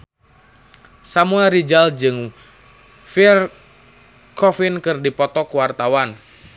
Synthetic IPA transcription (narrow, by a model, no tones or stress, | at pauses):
samuɛlɾid͡ʒald͡ʒɨŋ | fir | kɔfinkɨrdipɔt̪ɔkuwart̪awan